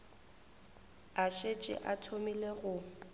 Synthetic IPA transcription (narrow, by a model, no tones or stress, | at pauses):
aʃet͡ʃʼɪ̰ʔatʰomileɣʊ